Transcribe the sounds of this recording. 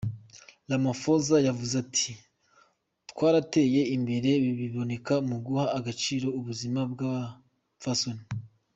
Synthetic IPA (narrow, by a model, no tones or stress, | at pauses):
lamafozajavuzatʰi | twaːɾate̞ːje̞imbe̞ɾe̞βiβiβo̞ne̞kamuɡuhaːɡat͡ʃiːɾo̞uβuzimab̚ɡa | fasoni